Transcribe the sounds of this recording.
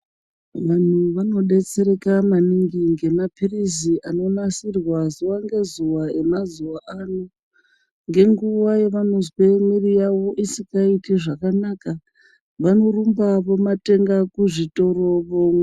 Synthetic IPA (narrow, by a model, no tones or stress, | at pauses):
ʋan̤uʋano̞ɗe̞t͡se̞ɾe̞kamaniŋɡiŋɡe̞mapiriziʔano̞nasirwazuwaŋɡe̞zuwae̞mazuwaʔano | ŋɡe̞ŋɡuʋajeʋano̞zwemwirijawo̞ʔisikɡaitiʐakanaka | ʋano̞rumbapo̞mate̞ŋɡakuʐito̞ro̞ʋoŋ